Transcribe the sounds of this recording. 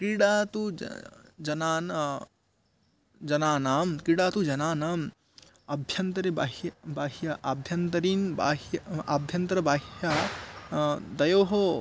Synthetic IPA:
kiɽat̪u | d͡ʒɐnan | d͡ʒɐnaːnamkiɽat̪ud͡ʒɐnaːnaːm | ɐbʱjɐnt̪ɾebaɦbaɦjaɐbʱjɐnt̪ɐɾinbaɦjɐbʱjɐnt̪ɾɐbaːɦja | d̪ɐjoɦo

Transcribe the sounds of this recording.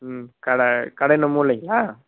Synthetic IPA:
kɐɽɐkɐɽɐnɐmuːlɐŋɡɐlaː

